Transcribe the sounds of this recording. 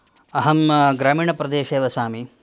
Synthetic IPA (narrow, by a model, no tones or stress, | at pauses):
ɐɦɐmɡɾaːmiːɳɐpɾɐd̪eːʃeːʋɐsaːmi